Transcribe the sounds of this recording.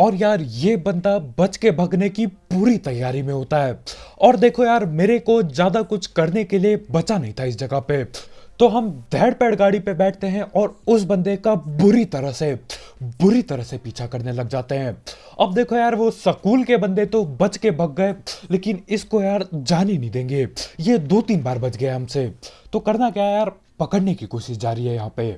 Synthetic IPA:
ɔːɾjaːɾjeːbɐ̃nd̪abɐt͡ʃkebʱɐɡnekipuːɾit̪ɐjːaːɾimẽɦoːt̪aɦɛːɔːɾd̪eːkʰojaːɾmeːɾekozjaːd̪akʊt͡ʃʰkɐɾnekeliebɐt͡ʃanɐɦĩt̪ʰaɪs̬d͡ʒɐɡəɦpet̪oɦɐmd̪ʱɛːɽpɛːɽɡaːɽipebɛːʈʰt̪eɦɛ̃ʔɔːɾʊsbɐ̃nd̪ekabʊɾit̪ɐɾəɦse | bʊɾit̪ɐɾəɦsepiːt͡ʃʰakɐɾnelɐɡd͡ʒaːt̪eɦɛ̃ː | ɐb̚d̪eːkʰojaːɾʋosɐkuːlkebɐ̃nd̪et̪obɐt͡ʃkebɐɡ̚ɡɐeleːkɪnɪskojaːɾd͡ʒaːninɐɦĩd̪ẽːŋɡejed̪oːt̪iːnbaːɾbɐt͡ʃɡɐjaɦɐmset̪okɐɾnakjaːjaːɾ | pɐkəɽnekikoːʃɪʃd͡ʒaːɾiɦɛjɐɦãːpe

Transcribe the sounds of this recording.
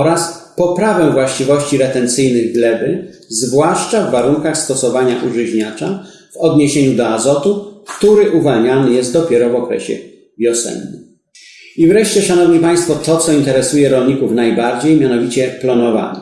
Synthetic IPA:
ɔɾaspɔpɾavɛ̃vwaɕt͡ɕivɔɕt͡ɕiɾɛt̪ɛnt̪sɘjnɘɣɡlɛbɘzvwaʂt͡ʂavːaɾuŋkaxst̪ɔsɔvaɲaʔuʐɘʑɲat͡ʂa | v̥ɔd̪ɲeɕeɲud̪ɔazɔt̪ukt̪uɾɘʔuvalɲanɘjɛst̪d̪ɔpʲjɛɾɔvɔkɾɛ̰ɕɛ̰ | vʲjɔsɛ̰nːu | ivɾɛʂt͡ɕɛʂanɔvɲipaj̃st̪fɔt̪ɔt̪sɔint̪ɛɾɛsujɛɾɔlɲikufnajbaɾd͡ʑejmʲjanɔvʲit͡ɕɛplɔnɔva̰nɘ

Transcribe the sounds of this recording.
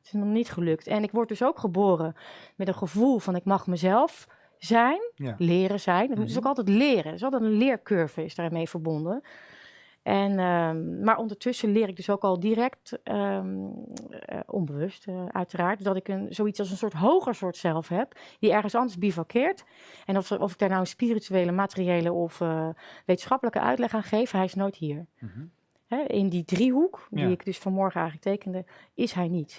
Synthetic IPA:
tɪsnɔχnitχəlɵktʰɛnɪkʋɔɹt̚dɵsowkχəboːrəmɛtənχəvulˠvɑnɪkmɑχməzɛlˠf | zɛjnlɪːɾəzɛjnət̚mudsokɑlˠtɛjtlɪːrəɪsɑlˠtɛtənlɪːɹkøɹvəɪsdaːɹmejvəɹbɔndən | ʔɛnəmaːɹʔɔndəɹtʏsəlɪːɾɪɡ̚døsowkɑlˠdirɛkt | ʔɔ̰nbəʋɵstœ̰ɥtəraːɹtdɑtɪkənzowitt͡ssɑlˠsənsʊːɹtɦowχəɹsʊːɹtsɛlˠfɦɛpdiɛɹχənsɑndəɹsbivɔkʰɪːɹt | ɛnɔɔfɪɡ̚daːɹnawənspirityejləmaːtəriejləɔfʋejtə̥nsχɑpələkə̰ʔœ̰ɥtlɛχaːnχejfɦɛjɪsnojtɦiːɹ | hɛɪndidriɦukdiɪkdɵsfɔnmɔɹχənɛjxlək̚tejkəndəɪsɦɛjnit

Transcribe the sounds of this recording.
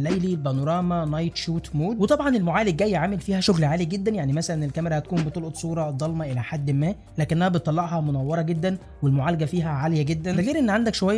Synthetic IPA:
lʔæjlilbɑnoɾˤɑːmænɑjt̪ʃuːt̪moːd̪wet̪ˤɑbʕɑnelmoʕaːleɡ̚ɡæjːʕaːmelfiːhæʃoɣlʕaːliɡed̪ːænjaʕnimæsælænelkæmeɾæhæt̪̚kuːmbet̪ˤolʔt̪ˤsˤuːɾˤɑd̪ˤɑlmɑʔelæħad̪ːmæː | lːæːkeʔenːæhæbet̪t̪ˤːɑlːɑʕʔɦɑmonæwːɑɾˤɑɡed̪ːæn | welmoʕaːlæɡæfiːɦæʕaljæɡed̪ːænd̪æɣiːɾʔenːʕand̪ækʃowæjː

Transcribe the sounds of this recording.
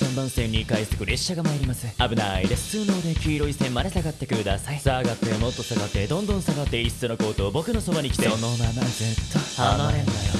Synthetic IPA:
kãmbãɰ̃sẽ̞ɲ̟ʲːikaissɨ̥kɯ̟ɾe̞ɕːaɡamaiɾʲimasɨabɯ̟naid̪esɨ̥t͡sɨːno̞ːd̪e̞kʲiːɾo̞isẽmmaɾe̞saɡat̪ːe̞kɯ̟d̪asaisaɡat̪ːe̞mo̞t̪ːo̞saɡat̪ːe̞d̪õ̞nd̪õ̞ɰ̃saɡat̪ːe̞ist͡sɨno̞ko̞ːt̪o̞ːbo̞kɯ̟no̞so̞baɲ̟ikʲi̥t̪enonaazɨt̪ːoanaɾend̪ajo

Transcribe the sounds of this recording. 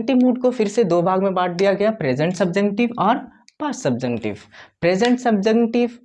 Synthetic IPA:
ʈimuːʈ̚kofɪɾsed̪oːbʱaːɡmẽbaːʈ̚ʰd̪ijaɡɐjapɾeːd͡ʒə̃ɳʈsɐb̚d͡ʒəŋʈɪʋɔːɾ | paːsːɐb̚d͡ʒəkʈɪ̰ʋpɾeːd͡ʒə̃ɳʈsɐb̚d͡ʒəŋʈɪʋ

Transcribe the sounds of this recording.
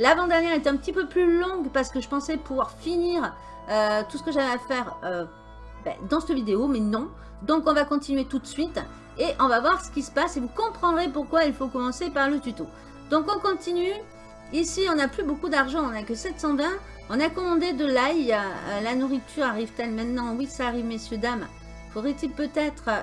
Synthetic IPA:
lavɑ̃d̪ɛʁnjɛʁet̪ɛɛ̃pət̪ipøplylɔ̃ɡpaʁsə̥kəʒəpɑ̃sɛpuvwaʁfiniːʁ | øt̪usə̥kəʒavɛafɛʁø | bɛ̰d̪ɑ̃sɛt̪əvid̪eomɛnɔ̃ | d̪ɔ̃kɔ̃vakɔ̃t̪inɥet̪ut̪əsɥit̪ | eʔɔ̃vavwaʁsə̥kʲisə̥pasevukɔ̃pχɑ̃d̪ʁepuʁkwailfokɔmɑ̃sepaʁlət̪yt̪o | d̪̥ɔ̃kɔ̃kɔ̃t̪iny | isiɔ̃naplybokud̪aʁʒɑ̃ɔ̃nakəsɛt̪sɑ̃vɛ̃ | ɔ̃nakɔmɑ̃d̪ed̪əlaj̰lanuʁit̪ʰyʁaʁivt̪ɛlmɛ̃t̪nɑ̃wisaːʁivmesjød̪am | fod̪ʁet̪ilpøt̪ɛt̪χə

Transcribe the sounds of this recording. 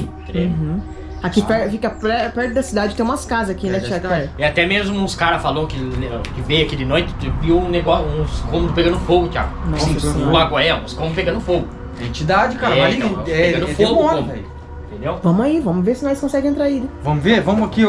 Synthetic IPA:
t̪ẽd̪ẽɦ̩ | akipɛɾfikɐpɾɛpɛɾt̪ʊd̪ɐsid̪ad͡ʒɪt̪ẽũmɐskazɐzakinɛt͡ʃiakɛɾɪat̪ɛmezmʊũskaɾɐfalɐ̃kɪlkɪvejakid̪ɪnojt̪ɪ̥t̪viũneɡɔsũskõmʊd̪ʊpeɡɐ̃ʊfoɡʊt͡ʃia̰ɡnɔ̃aɡwaɐɛũskõmʊpeɡɐ̃nd̪ʊfoɡʊ | ẽt͡ʃid̪ad͡ʒɪkaɾɐɛãɐ̃ɛeɐ̃d̪foɡãmɛ | ẽtt̪ẽnd̪ewvɐ̃mʊaivɐ̃mʊveɾsɪnɔajskõsɛɡɪ̃ẽt̪ɾaidvɐ̃mʊveɾvɐ̃mʊaki

